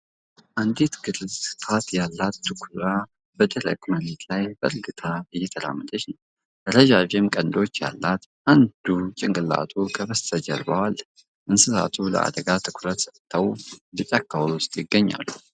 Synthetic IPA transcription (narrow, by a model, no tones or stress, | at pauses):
ʔand̪it̪ɡɨɾɨzɨ̥t̪ʰat̪jalːat̪ːɨkʷʰɾa | b̥əd̪əɾə̰kʼməɾet̪ʰlajbə̰ɾɡɨt̪ʰaɨjːɛt̪ʰəla̰mːəd̪əʃnəw | əɾəʒaβɛmkʼənd̪o̞t͡ʃːja̰lːat̪ʔand̪ut͡ʃʼɪŋɡʼɨla̰t̪ʰukʰəβəst̪ʰəd͡ʒə̰ɾbəwalː | ʔɨnsɨsa̰t̪ʰulə̰ʔa̰d̪əɡat̪ʰɨkʷʰɾət̪sət̪ʰːəwlɨt͡ʃʼakʰːawwʊst̪ʼjɪɡːəɲːa̰lːu